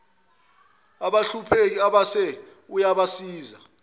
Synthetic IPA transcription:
aɓaɬupʰek̬iaɓasɛ | ujaɓasiːza

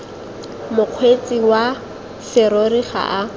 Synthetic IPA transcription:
mʊq͡χʰwet͡sʼiwa | sɪɾoriχa̰ʔa

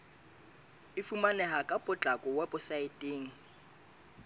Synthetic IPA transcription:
ɪfumanɛɦakʼapʼʊt͡ɬʼakʼɔwapʼʊsaɪtʼeːŋ̩

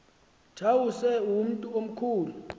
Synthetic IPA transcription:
t͡ʃʰawusɛum̩tʼuom̩kʰuːlu

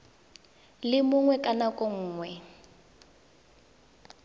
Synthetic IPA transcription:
lɪmʊŋwɛkʼanakʼɔŋ̩ːŋwɛ

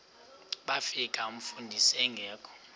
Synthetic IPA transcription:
ɓafikʼaum̩fundʱisɛŋɡʱɛːkʰʼɔ̥

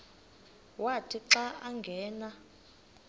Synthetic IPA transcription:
watʰiǁaaŋɡʱɛːna

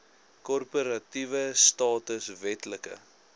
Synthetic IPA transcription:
kɔrpəɾɐtivəstɑːtəsvɛtləkə̰

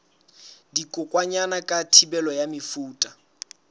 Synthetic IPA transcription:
dikʼʊkʼwaɲanakʼatʰibɛlɔjamɪfuːtʼa

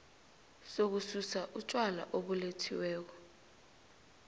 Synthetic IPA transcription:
sok̬ususaʔut͡ʃʼwala̰ʔoɓuletʰiwɛːk̬ɔ

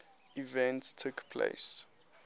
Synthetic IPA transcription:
ivɛ̃ntstʰukpʰlḛɪs

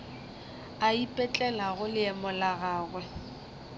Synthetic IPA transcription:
aipʼɛt͡ɬʼɛlaɣʊlɪɛmʊlaɣaːɣwɛ

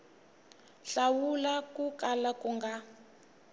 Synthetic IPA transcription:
ɬawulakukalakuŋɡa

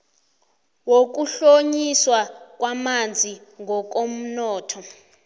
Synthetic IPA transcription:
wok̬uɬoɲiswak̬ʼwamand͡zʱiŋɔk̬om̩nɔːtʰɔ

